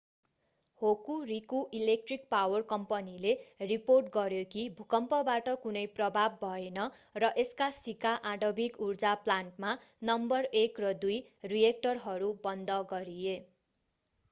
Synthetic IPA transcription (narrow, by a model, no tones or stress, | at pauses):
hokurikuʔilek̚ʈrik̚pawʌrkʌmpʌnileriporʈ̚ɡʌɾjokibʱukʌmpʌbaʈʌkunʌjprʌbʱabːʱʌenʌrʌʔeskasikaʔaɖʌbikurd͡zaplanʈmanʌmbʌrekrʌd̪ujrijek̚ʈʌrɦʌɾubʌnd̪ʱʌɡʌɾie